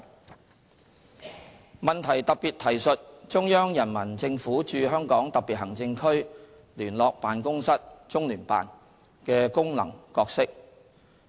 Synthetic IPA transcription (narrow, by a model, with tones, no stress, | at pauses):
mɐ˨nt̪ʰɐ˨˩jt̪ɐ˨k̚piː˨t̪ʰɐ˨˩jsɵ˨t̚t͡ʃʊ˥ŋjœː˥ŋjɐ˨˩nmɐ˨˩nt͡sɪ˧ŋfuː˨˥t͡ʃyː˨˧ɦœː˥ŋkɔː˨˥ŋt̪ɐ˨pi˨t̚hɐ˨˩ŋt͡sɪ˧ŋkʰɵ˥ɥ | lyː˨˩nlɔː˨k̚paː˨nkʊ˥ŋsɐ˥t̚t͡sʊ˥ŋlyː˨˩npa̰ː˨n | kɛː˧kʊ˥ŋlɐ̰˨˩ŋkɔː˧k̚sɪ˥k̚